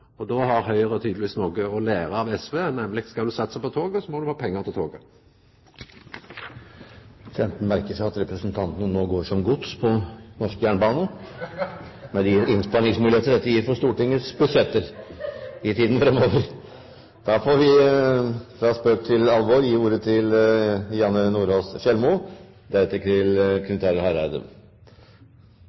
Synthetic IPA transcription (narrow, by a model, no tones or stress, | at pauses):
ɔd̪oːhɑɾɦœʏəʁəɔt̪ʰyːd̪lʋiːsnoːɡəɔleːʁəɑʋɛsʋeːnɛmlɪɡskɑld̪ʉsɑt̪ːəsæɪpɔt̪ʰoːɡəɔsɔmɔd̪ʉhɑːpʰɛŋːəʁt̪ʰɪlt̪ʰoːɡə | fɛmt̪n̩mæɾkəsæɪɑt̪ɾɛpɾəsnt̪ʰɑnt̪ənənoːɡoːʂɔmɡʊt̪spʰɔnɔʂkəjæːɳbɑːnə | mɛd̪ɪɪnspɑnɪŋsmʉːlɪeːt̪əd̪ɛt̪ːəjiːɾfɔʂt̪uːʈɪŋːəsbʉsɛt̪ːəɾ | ɪt̪ʰiːd̪n̩fɾɛmːoːʋəɾ | d̪̥ɑːfoːɾʋɪ | fɾɑspøːk̚t̪ʰɪlɑlʋoːɾjiːuːɾət̪ʰɪljɑnənuːɾoːsʃɛlmʊ | d̪æɾɛt̪ːəkɪlkʰɾɪt̪ʰæːɾəhæɾæɪd̪ə̰